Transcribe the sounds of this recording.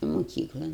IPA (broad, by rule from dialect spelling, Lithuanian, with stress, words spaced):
mʊˈkʲiːklˠɐn